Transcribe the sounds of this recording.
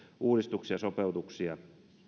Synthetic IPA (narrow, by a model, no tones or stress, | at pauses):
uːɾist̪uksiɑsopeut̪uksiɑ